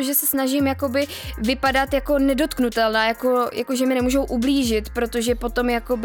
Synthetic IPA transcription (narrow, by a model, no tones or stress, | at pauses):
oʒɛsɛsnaʒɪmjako̞bɪ | vɪpadat̪jako̞nɛdo̞t̪knut̪ɛlnaːjako̞jʔa̰ko̞ʒɛmɪnɛmuːʒowʔubliːʒɪt̪pɾo̞t̪o̞ʒɛpo̞t̪o̞mjako̞b